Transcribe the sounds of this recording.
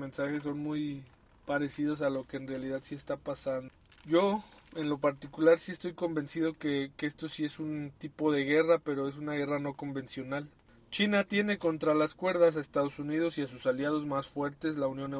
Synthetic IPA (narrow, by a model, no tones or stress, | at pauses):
mẽ̞nsaxe̞s̬ːo̞nmuj | paɾe̞sið̞o̞s̬alo̞ke̞ːnrealiðaðsie̞st̪apasand̪ | ʝo̞e̞nlo̞paɾt̪ikulaɾsie̞st̪o̞jko̞mbe̞nsið̞o̞keke̞st̪o̞sie̞sunt̪ipo̞ðe̞ɣe̞rape̞ɾo̞e̞s̬unaɣe̞rano̞ko̞mbe̞nsjo̞nal | t͡ʃinat̪je̞ne̞ko̞nt̪ɾalaskwe̞ɾð̞asaest̪að̞o̞sunið̞o̞siasusaljaðo̞zmasfwe̞ɾt̪e̞zlaunjo̞ne